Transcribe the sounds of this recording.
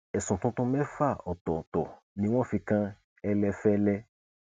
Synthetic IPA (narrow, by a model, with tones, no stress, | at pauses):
ɛ˨sũ˨t̪ũ˦t̪ũ˦mɛ̃˦fa˦˨ɔ˨t̪ɔ˨t̪ɔ˨ | nĩ˨w̃ɔ̃˦˨fĩ˧kã˦ | ɛ˦lɛ˧˦fɛ˦lɛ˦